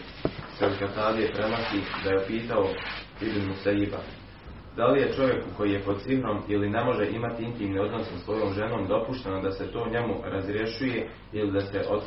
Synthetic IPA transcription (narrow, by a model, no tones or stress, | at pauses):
sed̪kat̪aːd̪iepɾemasid̪ajepiːt̪ao | id̪inusaiba̰ | d̪alije̞t͡ʃo̞ʋje̞kuko̞jije̞pod̪̚sifɾo̞miline̞mo̞ʒe̞ʔimat̪iint̪iːmnio̞d̪nosasʋo̞ːjo̞ːmʒe̞no̞ːmd̪o̞puʃt̪e̞nod̪ase̞t̪o̞ːɲe̞muɾazɾje̞ʃuje̞ | ilid̪ase̞ʔo̞t̪